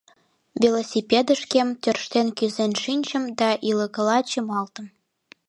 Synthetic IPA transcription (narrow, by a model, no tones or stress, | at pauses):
vʲelosʲipʲed̪əʃkemt̪ʲørʃt̪enkyzenʃinʲt͡ɕə̆md̪ɑʔilə̆kəlɑt͡ɕəmɑlt̪ə̆m